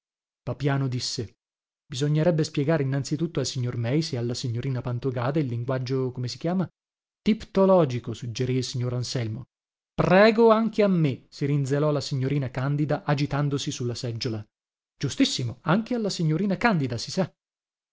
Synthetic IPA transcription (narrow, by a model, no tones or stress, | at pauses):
papjaːnod̪isːe | bizoɲːeɾɛbːespjɛɡaːɾeinːant̪sit̪ut̪ːoalsiɲːormɛjsealːasiɲːoɾiːnapant̪oɡaːd̪eilːiŋɡwad͡ʒːokomesi̥k̟jaːma | t̪ipt̪olɔːd͡ʒikosud͡ʒːeɾiilsiɲːoːɾansɛlmo̰ | prɛːɡoaŋk̟eamːesiɾind̪zelɔlasiɲːoɾiːnakand̪id̪aʔad͡ʒit̪and̪osisulːasɛd͡ʒːola | d͡ʒust̪isːimoaŋk̟ealːasiɲːoɾiːnakand̪id̪asisa